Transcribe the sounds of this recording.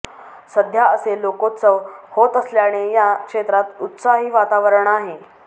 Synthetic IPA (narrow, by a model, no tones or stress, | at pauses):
səd̪ʱjaəselokot͡səhot̪əsljaɽ̃ijakʂet̪ɾat̪ut̪saɦiːʋat̪aʋəɾɳaɦe